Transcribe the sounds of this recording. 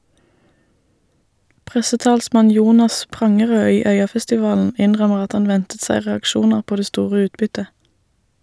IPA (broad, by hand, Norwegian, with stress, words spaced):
ˈpʁɛsəˌtɑːlsmɑn ˈjuːnɑs ˈpʁɑŋəʁøː ˈiː ˈœʏɑfɛstɪˌʋɑːln̩ ˈɪnʁœməʁ ˈɑt ˈhɑn ˈʋɛntət ˈsæɪ ʁɛɑkˈʃuːnəʁ ˈpoː ˈdeː ˈstuːʁə ˈʉːtbʏtə